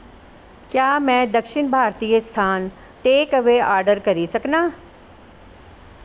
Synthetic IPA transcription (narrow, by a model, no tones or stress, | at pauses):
kjaːmɛ̃ːd̪əkʃɪnbʱaːɾt̪iːəst̪ʰaːn | ʈeːkɐʋeaːɾɖəɾkɐɾisɐknaː